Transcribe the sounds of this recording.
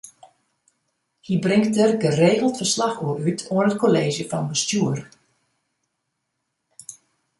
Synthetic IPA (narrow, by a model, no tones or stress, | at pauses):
hibrɪŋktərɡəreːɣəl̩ˠtfərslaxoəytʰoənətkoleːzjəfɑnbəstjuər